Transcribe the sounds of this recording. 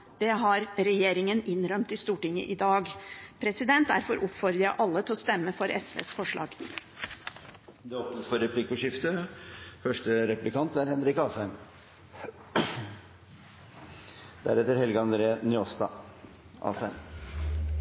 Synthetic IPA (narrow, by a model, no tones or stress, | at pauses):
d̪̥ɛɦɑɾɾɛjeːɾɪŋənɪnɾœmt̪ɪst̪uːʈɪŋːə̰ʔɪd̪ɑːɡpʰɾɛsɪd̪ɛnt̪̚d̪æ̰ɾfɔɾʔʊpfɔɾd̪əɑʔɑlːət̪ʰɪlɔst̪ɛmːəfɔɾʔɛ̰sʋḛːsfɔʂɭɑ̰ːɡ | d̪ɛɔpnəsfɔɾɛpʰlɪkːʊʂɪft̪əfœʂʈəɾɛplɪkʰɑnt̪æɾhɛnɾɪkɑːsæɪm | d̪̥æ̰ɾɛt̪ːəɾhɛlɡɑnd̪ɾeːnʏɔst̪ɑ̰ | ɑ̰ːsæɪm